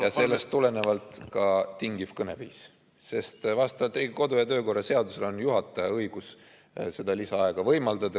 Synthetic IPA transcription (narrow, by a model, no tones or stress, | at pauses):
jjɑse̞lːest̪ːule̞ne̞vɑlt̪ˑkɑt̪iŋɡ̥ifkɤne̞viːs | se̞st̪vɑst̪ɑvɑlt̪ːˑriːɡ̥iko̞d̪ujɑt̪ø̞ːko̞rːɑse̞ɑd̪use̞lo̞njuɦɑt̪ːˑɑjɑɤjɡ̥us | se̞d̪̥ɑlisɑɑeɡ̥ɑvɤjmɑld̪ɑd̪ɑ